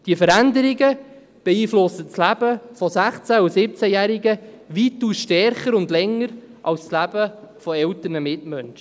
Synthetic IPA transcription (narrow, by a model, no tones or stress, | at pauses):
d̥iəfəɾænd̪əɾɪɡə | b̥ɛiːflʊsət͡slæb̥əfɔsæχt͡sæusɪp̚t͡sæjæːɾiɡə | ʋituːsʃtɛrχəɾʊndlɛŋːəɾ | ʔɑlsslæbəfɔɛltənəmɪtmœnʃə